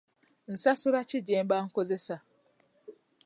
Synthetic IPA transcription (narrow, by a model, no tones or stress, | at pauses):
n̩sasʊɾat͡ʃɪd͡ʒem̩baŋ̩kozesa